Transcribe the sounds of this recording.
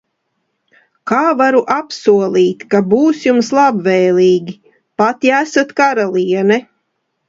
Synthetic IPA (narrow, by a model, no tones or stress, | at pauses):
kaːvaɾuʔapsuɔlˠiːt̪kabuːsjumslˠabvɛːlʲˠiːɡʲi | pat̪iæsat̪kaɾalˠiɛnɛ